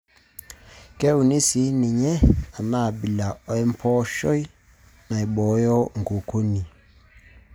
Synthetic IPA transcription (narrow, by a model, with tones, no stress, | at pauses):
kɛ˦u˨ni˦si˦ni˨ɲɛ˦a˨ma˦˨bi˨la˨ɔ˨ɛ˦m˦pʰɔ˦ʃɔ˦i˦ | na˨i˨ɓɔ˨˦jɔ˦ŋ˨ɡo˨ko˦ni˨